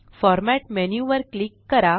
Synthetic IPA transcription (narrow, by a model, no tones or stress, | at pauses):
fɔɾmæʈmenjuʋəɾklikːəɾa